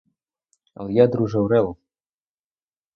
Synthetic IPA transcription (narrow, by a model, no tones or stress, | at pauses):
ə̰lˠjad̪ɾuʒəwɾɛl